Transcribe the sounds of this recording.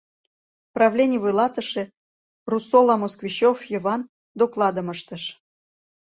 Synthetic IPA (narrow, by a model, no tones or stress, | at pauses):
prɑvlʲenʲiβujlɑt̪əʃĕ | rusolɑmoskviɕofjəβɑn | d̪oklˠɑd̪əməʃt̪əʃ